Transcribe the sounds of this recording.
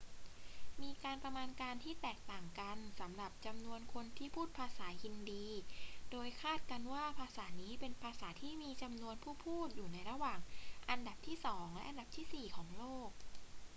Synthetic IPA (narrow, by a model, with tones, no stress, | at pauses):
miː˧kaː˧npɾa˧maː˧nkaː˧nt̪ʰiː˥˩t̪ɛː˨˩k̚t̪aː˨˩ŋka˧nsa˩˦mɾa˨˩p̚t͡ɕa˧mnu˧ənkʰo˧nt̪ʰiː˥˩pʰuː˥˩t̪̚pʰaː˧saː˩˦hi˧ndiː˧doː˧jkʰaː˥˩t̪̚ka˧nwaː˥˩pʰaː˧saː˩˦niː˦˥pe˧npʰaː˧saː˩˦t̪ʰiː˥˩miː˧t͡ɕa˧mnu˧ənpʰuː˥˩pʰuː˥˩t̪̚juː˨˩na˧jɾa˧waː˨˩ŋʔa˧nda˨˩p̚t̪ʰiː˥˩sɔː˩˦ŋlɛ˦˥ʔa˧nda˨˩p̚t̪ʰiː˥˩siː˨˩kʰɔː˩˦ŋloː˥˩k̚